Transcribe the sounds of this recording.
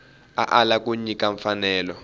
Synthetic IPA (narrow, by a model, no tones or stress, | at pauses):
a̰ʔalakuɲikaɱfanɛːlɔ